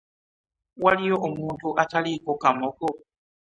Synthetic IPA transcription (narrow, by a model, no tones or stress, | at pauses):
walijɔʔumuntʰuʔatʰalikɔkamɔkɔ